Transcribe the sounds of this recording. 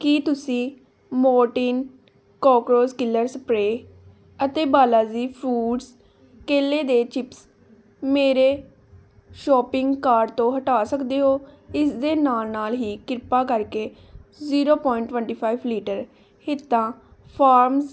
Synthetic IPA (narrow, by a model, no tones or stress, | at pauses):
kiːt̪ʊsĩː | mɔːʈiːn | kɔːkɾoːskɪlːəɾsəpɾeː | ət̪eːbaːlaːziːpʰɾuːɖs | keːleːd̪eːt͡ʃɪps | meːɾeː | ʃɔːpɪ̃ŋɡkaːɾɖt̪õːɦəʈaːsəkd̪eːɦoːɪsd̪eːnaːlnaːlɦiːkɪɾpaːkəɾkeː | ziːɾoːpɔːɪɳʈʋwəɳʈiːpʰaːibliːʈəɾ | hɪt̪ːãːpʰaːɾmz